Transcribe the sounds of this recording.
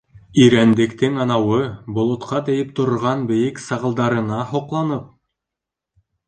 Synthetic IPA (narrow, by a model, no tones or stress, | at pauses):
iɾænd̪ɘ̆kt̪ɘŋɑnɑwɤbŏlˠŏt̪qɑt̪ɘ̆jɘp̚t̪ŏɾ̆ɾʁɑnbɘ̆jɘksɑʁɤ̆lˠd̪ɑɾɤ̆nɑhŏqlˠɑnɤp̚